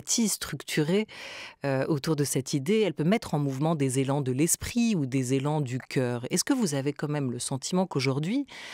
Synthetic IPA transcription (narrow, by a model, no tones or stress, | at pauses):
t̪ʰist̪χykt̪ʰyʁeøot̪uʁd̪əsɛt̪ʰid̪eɛlpømɛt̪χɑ̃muvmɑ̃d̪ezelɑ̃d̪əlɛspχiud̪ezelɑ̃d̪ykʲʰœːʁɛskəvuzavekɑ̃mɛmləsɑ̃t̪ʰimɑ̃koʒuʁd̪ɥi